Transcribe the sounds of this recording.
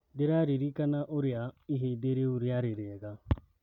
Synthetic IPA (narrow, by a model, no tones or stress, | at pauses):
deɾaɾiɾikanaʔoɾiaiɦebeɾeuɾiaɾeɾeɡa